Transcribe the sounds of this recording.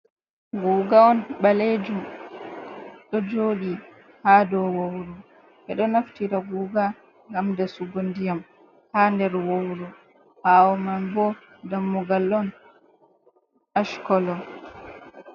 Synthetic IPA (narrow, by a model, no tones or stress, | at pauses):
ɡuːɡaɔnɓaled͡ʒum | ɗɔd͡ʒoːɗi | hadɔwowɾu | ʔɛɗɔnaftiɾaɡuːɡa | ŋɡamdasuɡondijam | handɛɾwowɾu | hawɔmanbɔ | damːuɡalːɔn | aʃkɔlɔ